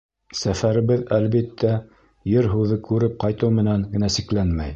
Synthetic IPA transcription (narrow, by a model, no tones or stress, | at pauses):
sæfæɾɘ̆βɘðælβit̪ːæ | jɘɾɦʉðɘkʉɾɘp̚qɑjt̪ɤwmɘ̆næŋɡɘ̆næsiklænmæ̰j